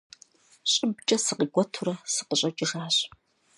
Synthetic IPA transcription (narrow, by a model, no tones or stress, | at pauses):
ɕʼɪbt͡ʃʼɐsɨqiɡʷɔtʰuɾɐsɨ̥qəɕʼɐt͡ʃʼɪʂaːɕ